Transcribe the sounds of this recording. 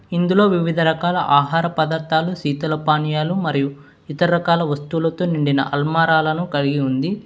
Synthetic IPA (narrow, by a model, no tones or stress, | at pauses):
ind̪ulo̞ːʋiʋid̪ʱɐɾɐkaːlɐʔaːɦaːɾɐpɐd̪ɐt̪ːaːlusiːt̪ɐlɐpaːnjaːlumɐɾiju | it̪ɐɾɐɾɐkaːlɐʋɐst̪uːlɐt̪oːniɳɖinɐ̰ʔɐlmaːɾaːlɐnukɐliɡiund̪i